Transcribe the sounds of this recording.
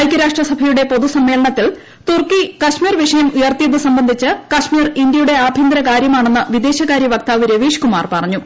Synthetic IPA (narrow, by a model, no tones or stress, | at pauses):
jkʲːɐɾaːʂʈrɐsɐbʱɐjuɽe̞po̞ðusɐmːe̞ːlɐɳɐt̪ːil | t̪urkikɐʂmiːrʋiʂɐjɐmujɐrt̪ijɐðɨsɐmbɐnd̪ʱit͡ɕːɨkɐʂmiːrind̪jɐjuɽe̞aːbʱind̪ɾɐkaːɾjɐmaːɳenːɨʋid̪e̞ːɕɐkaːɾjɐʋɐk̚t̪aːʋiɾɐʋiːʂkuma̰ːrpɐrɐɲːu